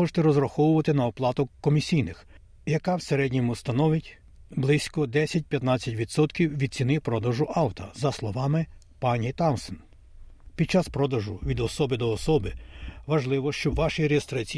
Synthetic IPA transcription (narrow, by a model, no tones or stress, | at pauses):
ɔʒe̥t̪ɛɾɔzɾɐxɔwʊʋɐt̪ɪnɐɔplˠɑt̪ʊkːɔmʲisʲijnɪx | jɐkɑwseɾɛdʲnʲimʊst̪ɐnɔʋɪtʲ | blˠɪsʲkɔd̪ɛsʲɐt̚ʲpʲjɐt̪nɑt͡sʲːɐtʲʋʲid̪sɔt̪kʲiwʋʲid̪̚t͡sʲinɪpɾɔd̪ɐʒʊʔɑwt̪ɐzɐslˠɔʋɑmɪ | pɑnʲit̪ɑwsɔn | pʲid̪̚t͡ʃɑspɾɔd̪ɐʒʊʋʲid̪ɔsɔbɪd̪ɔːsɔbɪʋɐʒlˠɪʋɔʃt͡ʃɔʋɑʃiɾeest̪ɾɐt͡sʲi